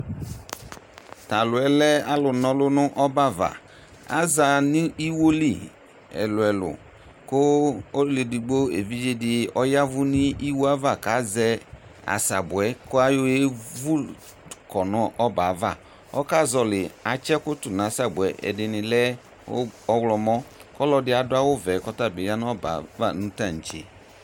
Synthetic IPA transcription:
ta˨lʊ˨ɛ˨lɛ˦a˦lʊ˨nɔ˨lʊ˦nʊ˦ʔɔ˦ba˦va̰˨ | a̰˦za˨nɪ˦i˦wo˦lḭ˨ | ɛ̰˨lʊ˨ɛ˨lʊ̰˨ | kʊ˦o˦lli˨di˨ɡ͡bo˦ḛ˨vi˦d͡ʒe˦dɪ˨ɔ˦ja˦vʊ˦nɪ˦i˦wo˦a˦va˨ka˨˦zɛ˦a̰˨sa˨bʊ˨ɛ˨˦kʊ˦a˦jo˦e˦vu˦ | kɔ˨nɔ˨ʔɔ˦ba˨˦va˦˨ | ɔ˦ka˦zɔ˨lɪ˨a˨t͡ʃɛ˦kʊ˦tu˨n˨a˨˦sa˨bʊ˨ɛ˨˦ʔɛ̰˨dɪ˧nɪ˨lɛ˦ | ɔ˦wlɔ˧mɔ˦kɔ˦lɔ˧dɪ˦a˨dʊ˦a˦wʊ˦vɛ˨˦kɔ˦ta˦˨be˨ja˦n˦ɔ˦ba̰˨va˦˨nũ˦ta˦˨n̩˨t͡ʃḛ˨

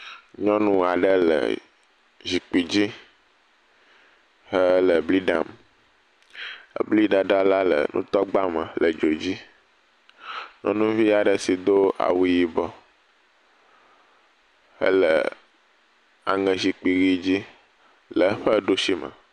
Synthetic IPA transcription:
ɲɔ̃˦nũ˦a˨ɖə˦lə̰˨ | zi˨k͡pi˨d͡ʑi˦ | hə˦lə˨bli˦ɖa̰˦m | ə˦bli˦ɖa˨ɖa˦la˦lə̰˨nũ˦t̪ɔ˦ɡ͡ba˦mə˨lə˨d͡ʒo˨d͡ʑi˦ | ɲɔ̰̃˦nũ˦vi˦a˨ɖə˨si˨d̪o˦a̰˨wi˦ji˨bɔ˦ | hə̰˦lə̰˨ | a̰˨ŋə̃˨zi˨k͡pi˨ɣi˦d͡ʑi˦ | lə˨˦ɸə˦ɖo˦ʃi˦mə̰˨

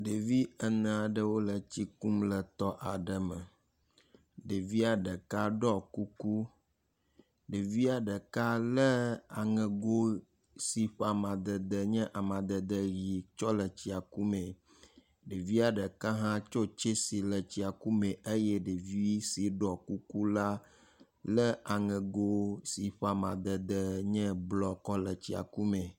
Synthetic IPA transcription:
ɖe˨vi˦ə˨nɛ̃˨a˨ɖə˨wo˦lə˨t͡ɕi˦ku˦mlə˨t̪ɔ˦ʔa˨ɖə˨mə˨ | ɖe˨vi˦a˨ɖə˨ka˦ɖɔ˦ku˦ku˦ | ɖe˨vi˦a˨ɖə˨ka˦lə˦a˨ŋɛ̃˨ɡo˦ | si˨ɸa˨mã˨d̪ə˨d̪ə˨ɲɛ̃˦ʔa˨mã˨d̪ə˨d̪ə˦ɣi˨t͡ʃɔ˦lə˨t͡ɕi˨a˨ku˦mẽ˨ | ɖe˨vi˦a˨ɖə˨ka˦ɦã˦t͡ʃɔ˦t͡ʃe˦si˨lə˨t͡ɕi˨a˨ku˦mẽ˨ʔe˦jɛ˦ɖe˨vi˦si˨ɖɔ˨ku˦ku˦la˦ | lə˦a˨ŋɛ̃˨ɡo˦si˨ɸa˨mã̰˨d̪ə˨d̪ə˨ɲɛ̃˦blɔ˨kɔ˦lə˨t͡ɕi˨a̰˨ku˦mẽ˨

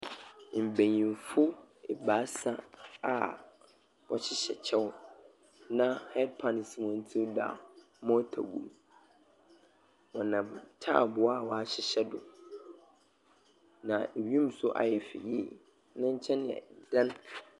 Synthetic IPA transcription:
m̩˨bẽ˨ɲĩ˨fʊ˦ɛ˨baː˨˦sa˦a˨ | wɔ˨ɕʰɪ˦ɕɛ̰˨t͡ɕʰɛ˦w | nã˦hɛ˦d̚pʰã˨n˨smʊ̃˨˦n̩˦tʰi˦wda̰˨ | mɔ̃˦tʰa̰˨bṵ˨˦ | wɔ˨nã˨tʰa̰˦˨bʊ˨a˦˨wɔ˨a˨ɕɪ˨ɕɛ˦dʊ˨ | nã˨e˨ɥi˦m̩˨sʊ˦ʔa̰˨jɛ˨fɪ̰˨ji˦ | nã˦ɲ̩˦t͡ɕʰɛ̃˦n˨ɛ̰˨d̥ã˦n

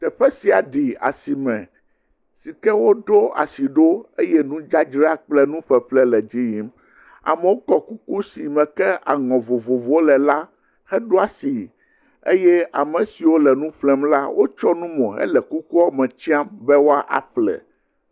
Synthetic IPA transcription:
t̪ɛ˨ɸɛ˦si˨a˨ɖi˨a̰˨si˨mɛ̃˨ | si˨kɛ˦wo˦ɖo˦a̰˨si˨ɖo˦e˦jɛ˦nũ˦d͡ʒa˦d͡ʒɾi˦a˦k͡plɛ˦nũ˦ɸɛ˨ɸlɛ˦lɛ˨d͡ʒi˦ji˦m | a̰˨mɛ˨wo˦kɔ˦ku˦ku˦si˨mɛ̃˨kɛ˦a̰˨ŋɔ̃˨vo˨vo˨vo˦o˦lɛ˨la˦ | hɛ˦ɖo˦a˨si˨ | ḛ˦jɛ˦ʔa˨mɛ̃˨si˨wo˦lɛ˨nũ˦ɸlɛ˦mla˦wʔo˦t͡ʃɔ˦nũ˦mɔ̃˨ɛ̰˦lɛ˨ku˦ku˦a˦mɛ̃˨t͡ɕi˦a˦mbɛ˦wo˦a˦ʔa̰˨ɸlɛ̰˨

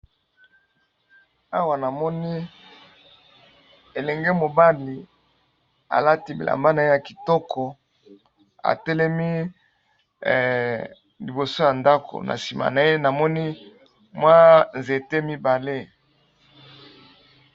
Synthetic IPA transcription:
a˦wa˨na˨mɔ˦ni˦ | e˨lɛ˨ŋɡe˦mo˨ba˦li˨ | a̰˨la˦ti˦bi˨la̰˨mba˦na˨e˦ja˨ki˨tɔ˦kʰɔ˨ | a̰˨tɛ˦lɛ˦mi˦ | li˨bo˨so˦ja˨nda˦ko̰˨na̰˨si˨ma̰˨na˨e˦na˨mɔ˦ni˦ | mwa˦nze˨te˦mi˦ba˨le˦

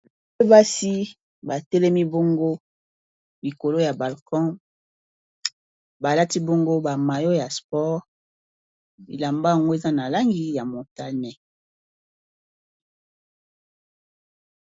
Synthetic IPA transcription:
e˦ba˦si˦ | ba˨tɛ˦lɛ˦mi˦bo˦ŋɡo˦ | li˨ko˨lo˦ja˨ba˨lkɔ̃˦ | ba˨la˦ti˦bo˦ŋɡo˦ba˨ma˨jo˦ja˨spɔ˦ʁ | bḭ˨la˨mba˦ja˨ŋɡo˦e˨za˦na˨la˦ŋɡi˦ja˨mo˨ta˦nɛ˨

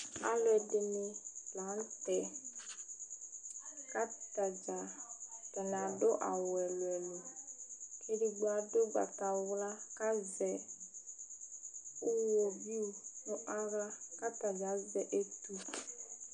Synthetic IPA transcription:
a̰˦lwɛ˨dɪ˨nɪ˨lã˨˦n˦tɛ˨ | ka˦ta˨d͡ʒa˨tɛ˨n˨a˨do˦ʔa̰˨wɛ˨lwɛ˨lo˨ | kʰe˦ɾi˨ɡ͡ba˨do˦ɡ͡ba̰˨ta˨wʊ˦la˦ka˦zɛ˨ | ʊ˦wo˨bi˦u˨nʊ˦ʔa˦ɾa˦ka˦ta˨d͡ʒa˨˦zɛ˨ʔe˦tu˦

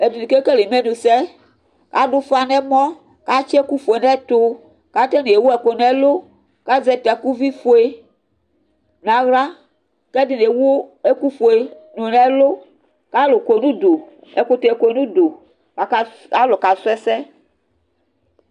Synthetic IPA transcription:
e˨di˨ni˨ke˦ke˦le˨me˦nũ˨sɛ˦ | ka˦ɖo˦fa˦nɛ˦mɔ̃˦ | ka˦t͡ʃɛ˦ku˦fo˨e˨nɛ˦t̪o˦ | ka˦t̪ɛ˦ne˨e˨wo˦ɛ˨ko˨nɛ˦lo˦ | ka˦zɛ˦t̪ɛ˨ku˦vi˦fo˨˦e˨ | nã˨ɣɾa˦ | kɛ˦di˨ne˨wo˦e˦ku˦fo˨e˨ | no˨nɛ˦lo˦ | ka˦lo˨ke˨nũ˦d̪o˨ | ɛ˨ko˨t̪e˨e˨ko˨˦nũ˦d̪o˨ | a˨˦ | a˦lo˨ka˨sɛ˦sɛ˦

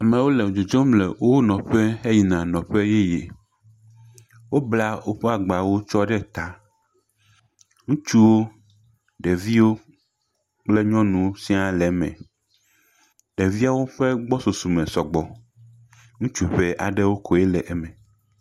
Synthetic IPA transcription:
a˨mɛ̃˨wo˦lɛ˨o˨d͡ʒo˨d͡ʒɔ̃˦mlɛ˨wo˦nɔ̃˨ɸe˦e˦ji˨nã˨nɔ̃˨ɸe˦je˦je˨ | wo˦bla˦wo˦ɸe˦a˨ɡ͡ba˨wo˦t͡ʃɔ˦ɖɛ˦t̪a˦ | ŋũ˦t͡ʃu˦wo˦ | ɖɛ˨vi˦wo˦ | k͡ple˦ɲɔ̃˦nũ˨si˦a˨lɛ˨mɛ̰̃˨ | ɖɛ˨vi˦a˦wo˦ɸe˦ɡ͡bɔ˦so˨su˨mɛ̃˨sɔ˨ɡ͡bɔ˨ | ŋũ˦t͡ʃu˦ɸɛ˦ʔa̰˨ɖɛ˦wo˦kʰɔ˨e˦lɛ˨ʔɛ˦mɛ̃˨

